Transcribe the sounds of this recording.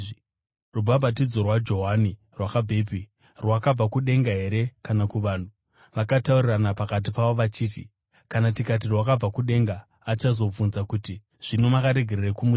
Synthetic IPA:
rubʱabʱat̬id͡zo̞rwad͡ʒo̞ɦani | rwakabʱepi | rwakab͡vakuɗe̞ŋɡaɦe̞ɾe̞kanakuʋaːn̤u | ʋakatauriranapakat̬ipaʋo̞ʋat͡ʃiːti | kanatikat̬irwakab͡vakuɗe̞ŋɡaː | t͡ʃazo̞b͡vunzakuti | ʐ̥ino̞makaɾe̞ɡʱe̞ɾerekumu

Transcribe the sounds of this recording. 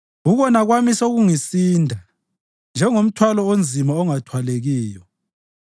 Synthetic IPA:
uɣɔnaɣwamisoɣuŋisiːndʱa | nd͡ʒʱɛŋom̩tʰwalɔond͡zʱimaɔŋatʰwaleɣiːjɔ

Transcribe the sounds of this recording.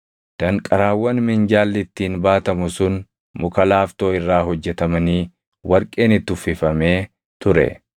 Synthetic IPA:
d̪̥ɐŋkʼɐɾaːwːɐnmɪnd͡ʒaːlːɪt̪ːiːnbaːt̪ɐmʊsʊn | mʊkɐlaːft̪o̞ːɪrːaːhɔd͡ʒːɛt̪ɐmɐniː | wɐɾkʼe̞ːnɪt̪ːʊfːɪfɐme̞ː | t̪ʊɾɛ̰

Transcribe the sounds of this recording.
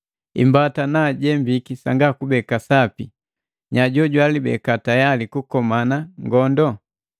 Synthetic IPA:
imbatanaɟɛmbikisaŋɡakubɛkasapi | ɲaɟɔɟwalibɛ̰katajalikukɔmanaŋɡɔndɔ

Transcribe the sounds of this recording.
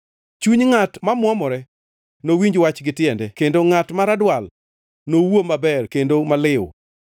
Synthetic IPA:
t͡ʃuɲŋatmamwɔmɔɾɛ | nowiɲd͡ʒwat͡ʃɡɪtɪɛndɛkendoŋatmaɾadwal | nowomabɛrkendomalɪw

